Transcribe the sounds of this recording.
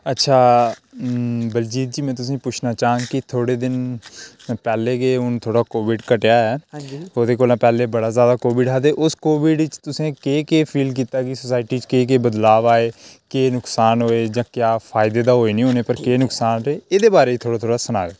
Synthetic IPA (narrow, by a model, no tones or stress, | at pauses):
ətːʃʰaː | bəld͡ʒiːt̪̚d͡ʒiːmɛ̃ːt̪ʊs̬ĩːpʊt͡ʃʰnaːt͡ʃaːɦə̃ŋɡkit̪ʰoːɽeːd̪ɪn | pɛːleːkeːʊnt̪ʰoːɽaːkoːʋɪɖkəʈejaːɛːoːd̪eːkoːlaːpɛːleːbəɽaːzjaːd̪aːkoːʋɪɖɦaːd̪eːʔʊskoːʋɪɖɪt͡ʃt̪ʊsẽːkeːkeːpʰiːlk̬iːt̪aːkisəsaːɪʈiːt͡ʃkeːk̬eːbəd̪laːʋaːeːkeːnʊksaːnɦoːeːd͡ʒãːkjaːpʰaːɪd̪eːd̪aːɦoːeːnĩːɦoːneːpəɾkeːnʊksaːnɦeːeːd̪eːbaːɾeːiːt̪ʰoːɽaːt̪ʰoːɽaːsənaːʋeː